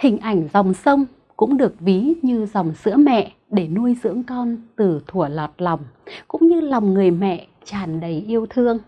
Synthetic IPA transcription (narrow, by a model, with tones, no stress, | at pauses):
hï˨˩ŋ̟ʔa˧˩jŋ̟za˨˩wŋ͡msə˧wŋ͡m | kʊ̰˧˥ŋ͡mɗɨ˨˩ək̚vi˨˦ɲɨ˧za˨˩wŋ͡msɨ̰˧˥əmɛ̰˧˨ | ɗe˧˩nu˧əjzɨ̰˧˥əŋkɔ˧nt̪ɨ˨˩t̪ʰu˧˩əlɔ˨˩t̚la˨˩wŋ͡mkʊ̰˧˥ŋ͡mɲɨ˧la˨˩wŋ͡mŋɨ˨˩əjmɛ̰˧˨ | t͡ɕaː˨˩nɗə˨˩jʔi˧əwt̪ʰɨ˧əŋ